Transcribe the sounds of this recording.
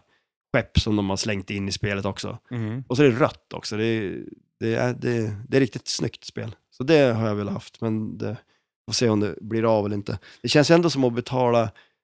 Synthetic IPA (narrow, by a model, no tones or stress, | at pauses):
ɧɛpːsɔmd̪ɔmhaɾslɛŋt̪ɪnːɪspeːlət̪ɔksɔ̰ɔsɔɛɾɾœ̰t̪ːɔ̰ksɔd̪ɛ | d̪̥ɛæ̰d̪ɛd̪ɛɾɪk̚t̪ɪt̪snʏkt̪spḛːl | sɔd̪ɛɦaɾjavɛːlːaha̰ft̪mɛnd̪ɛ | foːseːɔmd̪ɛbliːɾavɛlɪnt̪ʰə̰d̪̥ɛɕɛnsjɵɛnd̪osɔmɔbɛt̪ʰɑːla